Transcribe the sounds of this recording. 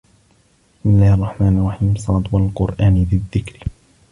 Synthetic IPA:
ɪ̥ɪsmɪlːaːhɑrˤːɑħmaːnɑlˤːɑħiːmsˤɑːt̪ˤwalqʊɾʔaːnbɪðːɪkɾ

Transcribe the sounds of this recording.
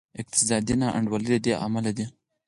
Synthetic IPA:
ɪk̚t̪ɪ̥sɑd̪inɑʔa̰ɳɖwalid̪əd̪eʔa̰malad̪i

